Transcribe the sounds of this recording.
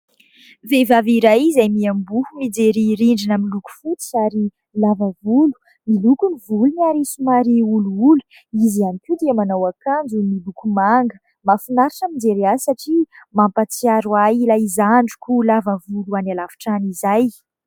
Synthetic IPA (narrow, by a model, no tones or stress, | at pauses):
vevaviɾajizajmiambuhumid͡zeɾiɾiɳɖ͡ʐinamiluku̥fut͡siaɾi | lavavulu̥ | milukunivulunaɾisumaɾiuluulu̥ | izianikʲud̪iamanawakand͡ʒumilukumaŋɡə | mafinaɾaʈ͡ʂamid͡zeɾiasaʈ͡ʂimampat͡siaɾwajilajizaɳɖ͡ʐu̥kulavavuluanalavi̥ʈ͡ʂanizaj